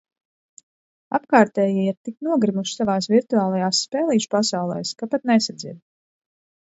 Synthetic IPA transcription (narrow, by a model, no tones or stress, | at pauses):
a̰pkaːɾt̪ɛːjiiɾt̪iknuɔɡɾimuʃsavaːsviɾt̪uaːlˠajaːsːpɛːlˠiːʃu̥pasawlˠɛ̰jskapat̪nɛsad̪zid̪